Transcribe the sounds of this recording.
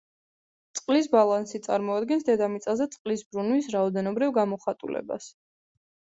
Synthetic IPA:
t̪sʼqʼlis̬balˠansit̪sʼa̰ɾmɔad̪ɡɛnsd̪ɛd̪amit̪sʼazɛt̪sʼqʼlisbɾunwisɾaɔd̪ɛnɔbɾivɡamɔχat̪ʼṵlɛ̰ba̰s

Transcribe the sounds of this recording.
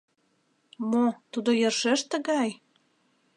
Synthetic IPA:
mot̪ud̪ojərʃeʃt̪ə̆ɣɑj

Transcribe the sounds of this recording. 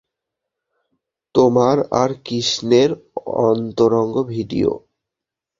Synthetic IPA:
t̪omaɾa̰ɾkiʃneɾɔ̰nt̪oɾɔŋɡobʱiɖḭo̰

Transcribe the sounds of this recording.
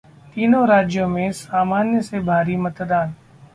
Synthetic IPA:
t̪iːnoːɾaːd͡ʒjõːmẽsaːmaːnjəseːbʱaːɾiːmət̪d̪aːn

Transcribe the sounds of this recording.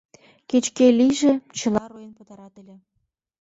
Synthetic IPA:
ket͡ɕkeliʒĕt͡ɕə̆lɑɾujenpət̪ɑɾɑt̪əlʲĕ

